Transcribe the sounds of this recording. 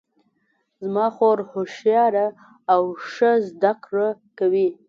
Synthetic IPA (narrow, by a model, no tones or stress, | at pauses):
zmɑxoɾhoʃjɑɾaː | wʂəzd̪akɽəkawi